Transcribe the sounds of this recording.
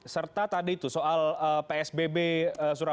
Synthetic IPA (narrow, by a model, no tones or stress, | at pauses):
sərt̪at̪adiːt̪usoʔaləpeɛsbebeəsuɾa